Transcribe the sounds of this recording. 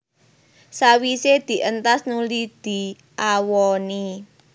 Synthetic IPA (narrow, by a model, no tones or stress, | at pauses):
sawised̪̥i̤ʔənt̪asnulid̪̥i̤ | ʔawɔni